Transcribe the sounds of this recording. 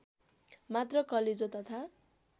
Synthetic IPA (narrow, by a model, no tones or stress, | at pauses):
mat̪rʌkʌled͡zot̪ʌt̪ʰa